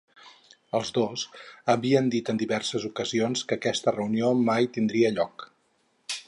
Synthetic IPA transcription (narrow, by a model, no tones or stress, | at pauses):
əlˠzd̪ozəβiənd̪it̪ənd̪iβɛrsəzukəzionskəːkɛst̪ərəuniomajt̪ind̪ɾiəʎɔk